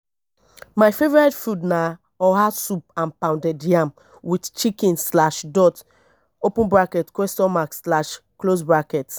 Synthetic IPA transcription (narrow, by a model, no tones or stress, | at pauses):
majfevɔɹɛtfudna | ɔɦasup̚ãnpãʊ̃ndɛdjam | widt͡ʃikĩnslaʃdɔt | opũnbɹakɛtkwɛstɔnmaksslaʃklosbɹakɛt